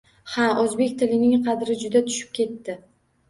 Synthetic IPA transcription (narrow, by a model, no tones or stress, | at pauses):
haozbe̞kʲt̪ʰɪlɪnɪŋqʰɑd̪ɾɪd͡ʒʊd̪at̪ʰʊ̥ʃɪ̥p̚kʲe̞t̪ːɪ